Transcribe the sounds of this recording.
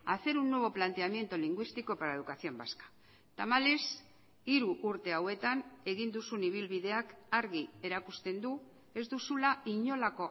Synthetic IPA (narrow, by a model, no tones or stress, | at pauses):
aθe̞ɾunːo̞β̞o̞plant̪e̞amje̞nt̪oliŋɡwist̪iko̞paɾaeðukasio̞mbaskḁ | t̪amales | iɾuʔːɾt̪e̞awe̞t̪ane̞ɣ̞ind̪usuniβ̞ilβiðe̞akaɾɣie̞ɾakust̪e̞nd̪u | e̞zd̪usulaiɲo̞lako̞